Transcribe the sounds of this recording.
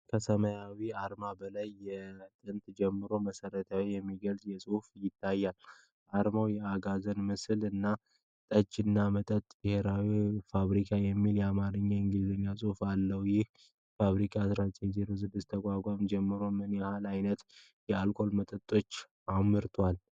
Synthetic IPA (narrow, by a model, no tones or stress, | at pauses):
kʰəsəmajawiaɾmabəlajːɛt̪ʼɨnt̪d͡ʒɛmːɨɾo̞məsəɾət̪ʰawjɛmːiɡəlt̪ʼjɛsʼɨhfjɪt̪ʰːajːal | ʔaɾmawjɛaɡazənmɨslɨnːa | t̪ʼəd͡ʒɨnːamət̪ʼət̪ʼb̥ɨhe̞ɾawifaβɾikʰajɛmːiljɛamaɾɨɲːaɨŋɡɨlɨzəɲːasʼɨhfalːəwjɪh | faβɾikʰʼasɾat͡ʃʼezeɾozɨbɨst̪ʰəkʼakʷʼamd͡ʒɛmːɨɾo̞mɨnjhalajnət̪ | jɛalkʼo̞lmət̪ʼət̪ʼːo̞t͡ʃː | amːɨɾt̪ʰwal